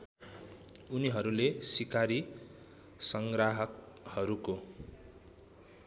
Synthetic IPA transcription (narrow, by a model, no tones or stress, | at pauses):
uniɦʌɾulesikaɾi | sʌŋɡraɦʌk | hʌɾuko